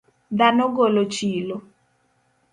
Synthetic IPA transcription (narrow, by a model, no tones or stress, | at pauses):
danɔɡɔlot͡ʃilɔ